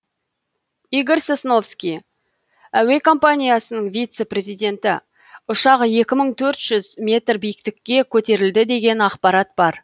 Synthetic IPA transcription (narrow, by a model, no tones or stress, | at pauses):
iɡʲeɾsesno̞fskʲij | æwe̞kʰo̞mpanʲijasənəɴvʲijt̪se̞prʲe̞zijd̪ʲe̞nt̪ɪ | ʊʃɑʁəje̞kʲɪməɴt̪ʰɵɾt̪ʒ̥ʏzmʲe̞t̪rbijɪk̚t̪ɪkʲːe̞kʲʰɵt̪e̞ɾɪld̪ɪd̪e̞ɡʲe̞nɑqpɑɾat̪̚b̥ɑɾ